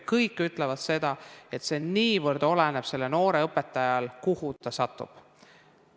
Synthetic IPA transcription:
kɤjkːˑyt̪ˑlevɑd̪̥se̞d̪̥ɑe̞t̪se̞niːvɤrd̪̥o̞lene̞b̥se̞lːeno̞ːɾe̞ɤpːˑe̞t̪ːˑɑjɑlkuhut̪ɑsɑt̪ːˑṵb̥

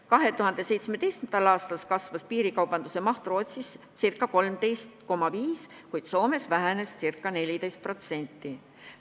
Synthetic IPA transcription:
kɑɦe̞t̪uhɑnd̪̥e̞se̞jt̪smet̪e̞jst̪mnd̪̥ɑlɑːst̪ɑlskɑsvɑspiːɾikɑwb̥ɑnd̪use̞mɑht̪rooːt̪sis | sirkːˑɑko̞lmt̪e̞jst̪ko̞mːɑviːs | kujd̪̥so̞ːme̞svæɦene̞ssirkːˑɑne̞lʲid̪e̞jst̪̚pro̞t̪se̞nʲt̪ˑːi

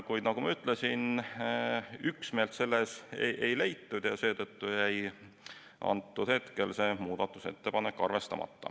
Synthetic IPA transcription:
kujd̪̥nɑɡ̥umɑyt̪ːˑle̞sin | yksme̞ːlt̪se̞lːesḛʔe̞jlejt̪ːud̪̥jɑse̞ːt̪ɤt̪ːujæj | ʔɑ̰nt̪ːud̪̥he̞t̪ke̞lse̞ːmuːd̪̥ɑt̪ˑːuse̞̰t̪ːe̞pɑne̞kːˑɑrve̞st̪ɑmɑ̰t̪ːɑ̰

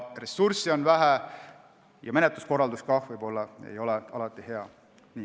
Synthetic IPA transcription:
re̞sːuɾsio̞nvæɦæ | jɑme̞net̪lusko̞rːɑld̪uskɑvɯjb̥o̞lːɑḛjo̞leɑlɑt̪ːˑihe̞ɑ | niː

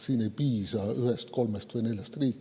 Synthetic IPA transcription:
siːne̞jpiːsɑyhest̪̚ko̞lmest̪vɯjne̞lʲjɑst̪riːkːˑ

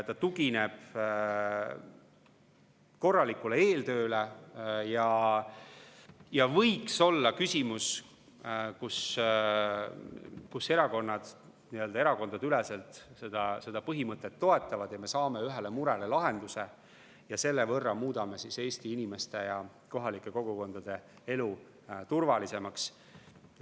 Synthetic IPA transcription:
t̪ɑt̪uɡine̞b̥ | ko̞rːɑlikulee̞ːlt̪ø̞ːlejɑ | jɑvɤjkso̞lːɑkysʲimus | kus | kuse̞ɾɑko̞nːɑd̪̥ | niøld̪ɑe̞ɾɑko̞nd̪ɑd̪̥yleselt̪se̞d̪̥ɑse̞d̪̥ɑpɤɦimɤt̪ːˑet̪ːo̞e̞t̪ːˑɑvɑd̪̥jɑme̞sɑːme̞yɦele̞muɾelelɑɦe̞nd̪̥use̞ | jɑse̞lːe̞vɤrːɑmuːd̪̥ɑme̞sise̞ːst̪iinime̞st̪e̞jɑ | ko̞ɦɑlikːˑe̞ko̞ɡ̥uko̞nd̪̥ɑd̪̥e̞ | e̞lu | t̪urvɑlise̞mɑks

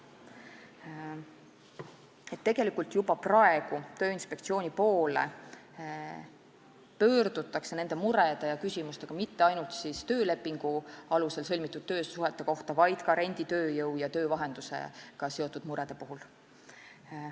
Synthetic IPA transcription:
et̪ːe̞ɡ̥e̞likːˑult̪jubɑprɑe̞ɡ̥ut̪ø̞ːinspe̞k̚t̪sio̞ːnʲipo̞ːle̞̰ | pø̞ːrd̪̥ut̪ːˑɑkse̞ne̞nd̪̥e̞muɾe̞d̪̥e̞jɑkysimust̪e̞ɡ̥ɑmit̪ːeɑjnult̪sist̪øːle̞pːˑiŋɡ̥uɑluse̞lsɤlʲmit̪ːˑud̪̥̚t̪ø̞ːsuɦe̞t̪ːˑe̞ko̞ht̪ɑvɑjd̪̥kɑɾe̞nʲd̪̥it̪ø̞ːjɤwjɑt̪ø̞ːvɑɦe̞nd̪̥usḛkɑse̞o̞t̪ːˑud̪muɾe̞d̪̥e̞puɦul

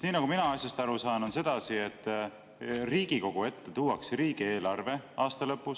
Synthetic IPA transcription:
niːnɑɡ̥uminɑɑsʲjɑst̪ɑɾusɑːno̞nse̞d̪̥ɑsie̞t̪ːˑ | riːɡ̥iko̞ɡ̥ue̞t̪ːet̪uwɑksriːɡ̥ie̞ːlɑrve̞ɑːst̪ɑlɤpːus

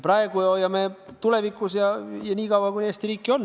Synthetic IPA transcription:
prɑeɡuojɑmet̪uleʋikːusjɑjɑnʲiːkɑwɑɡunest̪iriːkːion

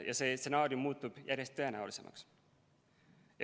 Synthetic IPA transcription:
jɑ̰se̞ːse̞nɑːɾjumːuːt̪ːub̥jʔæɾjest̪ːø̞e̞næulise̞̰mʔɑ̰ks

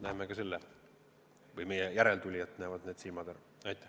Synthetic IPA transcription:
næhmekɑselːe | vɯjme̞jɛjæɾe̞lt̪ulʲiɑt̪ːˑnæːvɑd̪ne̞ːd̪̥silmɑd̪̥æɾu | ɑjt̪ːˑæh

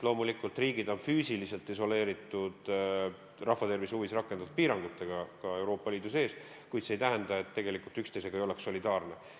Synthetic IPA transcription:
lo̞ːmulikːˑult̪ˑriːɡ̥id̪o̞nfyːsilise̞lt̪ːˑiso̞le̞ːɾit̪ːˑud̪̥ | rɑfːɑt̪e̞rvisuvisrɑkːˑenɑt̪ut̪̚piːɾɑŋɡ̥ut̪ːˑe̞ɡ̥ɑkɑe̞wɾo̞ːpːˑɑliːd̪̥use̞ːs | kujt̪sejt̪æɦend̪̥ɑe̞t̪ːe̞ɡe̞likult̪ykst̪e̞se̞ɡ̥ɑejo̞le̞ksːo̞lid̪ɑːrne

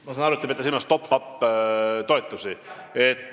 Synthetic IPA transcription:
mɑsɑnɑɾut̪ːˑɑbet̪ːɑsilmɑst̪o̞pːɑpː | t̪o̞et̪ːˑusiet̪ː

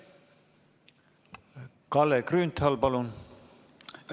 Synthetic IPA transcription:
kɑlːekrynt̪ʰhɑlpɑlun

